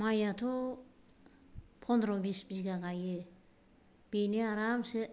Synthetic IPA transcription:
majatʰo | pʰɔndɾobisbiɡaɡaje | b̥ineaɾamse

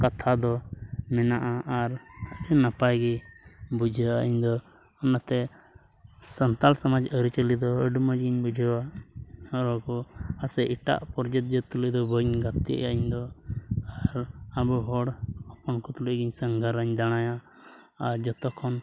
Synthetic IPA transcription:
kat̪ʰad̪ɔmɛnaʔaʔːɾəbinapajɡibud͡ʒʱəaiɲd̪ɔ | ɔnat̪ɛ | sənt̪alsamad͡ʒəɾit͡ʃəlid̪ɔəɖməd͡ʒɡiɲbud͡ʒʱəwa | ɔɾɔkɔasɛʔiʈa̰ʔpɔɾd͡ʒət̪̚d͡ʒət̪ulid̪ɔbəɲɡat̪iə̰jaiɲd̪ɔaɾabuɦɔɽapɔnkɔt̪uləʔɡiɲsəŋɡʱaɾəɲd̪aɽ̃ajaː | ɾd͡ʒɔt̪ɔkʰɔn

